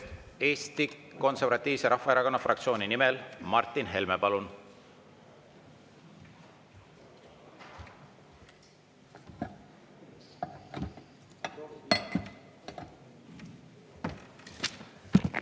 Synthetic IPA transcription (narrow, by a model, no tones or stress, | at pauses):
e̞ːst̪iko̞nseɾvɑt̪ːˑiːvse̞ɾʔɑhfɑeɾɑko̞nːɑfrɑk̚t̪sio̞ːninimelmɑrt̪ːˑinɦe̞lmepɑlun